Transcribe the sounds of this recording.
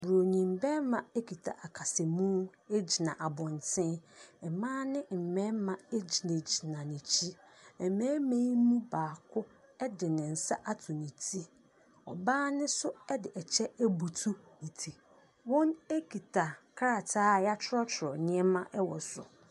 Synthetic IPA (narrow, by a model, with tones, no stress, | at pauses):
bʊ˨ɾo˨ɲĩ˨mbɛ̃˦mã˨e˦kʰi˨tʰa̰˨ʔa˨kʰa˨sɪ˨mũ˦e˦d͡ʑi˨nã˨ʔa˨bɔ̃˨ntʰɪ̃˦nɛ˨mãː˦nɪ̃˦m̩˨mɛ̃˦mã˨ɛ˦d͡ʑi˨nẽ˨d͡ʑi˨nã˨nĩ˨t͡ɕʰi˦ɛ˨mɛ̃ː˦mẽ˦i˦nũ˦baː˨kʰʊ˦ | ɛ˦dɪ˨nɪ̃˨n̩˨sa̰˦ʔa˦tʰʊ˨nĩ˨tʰi˦ | ɔ̰˨baː˦nɪ̃˦sʊ˦ɛ˦dɪ˨ʔɛ˨t͡ɕʰɛ˦æ˦bu˨tʰu˦nĩ˨tʰi˨ | wɔ̃˦ne˦kʰi˨tʰa˨kʰa˦ɾa˨tʰaː˦˨ja˦t͡ʃʰɾɔ˦tʰɾɔ˨ɲɪ̃˦ɛ˦mã˦ʔɛ˦wɔ˨sʊ̰˨